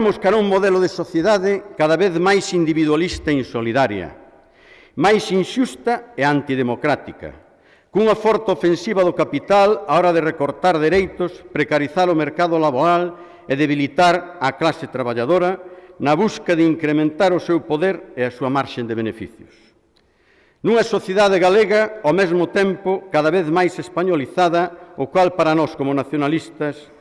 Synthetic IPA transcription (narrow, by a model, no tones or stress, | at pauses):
mʊskaɾuŋmoðelʊðesoθjeðaðɪkaðaβeðmajsind̪iβiðwalist̪ɐeinsoliðaɾjɐ̰ | majsinʃust̪ɐeant̪iðemokɾat̪ikɐ̰ | kuŋafɔɾt̪aofensiβɐðʊkapit̪alaɔɾɐðerekoɾt̪aɾðeɾejt̪ʊspɾekaɾiθaɾʊmeɾkaðʊlaβoɾal | eðeβilit̪aɾɐklasɪt̪ɾaβaʎaðoɾɐnɐβuskɐðɪiŋkɾemẽnt̪aɾʊsewpoðeɾɪɐsuɐmaɾʃend̪ɪβenefḭθjʊs | nuŋɐsoθjeðaðɪɣaleɣɐomezmʊt̪empʊkaðaβeðmajsespaɲoliθaðɐʊkwalpaɾɐnɔskomʊnaθjonalist̪ɐs